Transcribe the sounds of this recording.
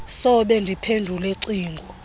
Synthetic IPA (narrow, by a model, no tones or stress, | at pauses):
sɔɓɛndʱipʰendʱulɛǀiːŋɡʱɔ